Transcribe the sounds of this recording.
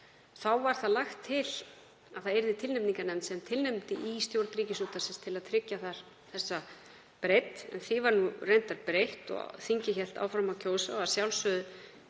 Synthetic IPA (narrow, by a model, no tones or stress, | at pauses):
θawvaɾ̥θaðlaxt̪ʰːɪl | aðθaðɛɾðɪt̪ʰɪlnɛpniŋkanɛmnsɛmt̪ʰɪlnɛmt̪ɪʔist̪jowɾt̪nɾiːcɪsut̪asɪnst̪ʰɪlaðt̪ʰɾɪcːaθaɾ̥ | θɛsːa | pɾejt̪ɛ̰nθɪvaɾnurejnt̪aɾpɾejht̪ɔ̰ɣ̰θiɲcɪçɛl̥t̪a̰ːwfɾamawcʰoːwsaḁsjawlsʏðʏ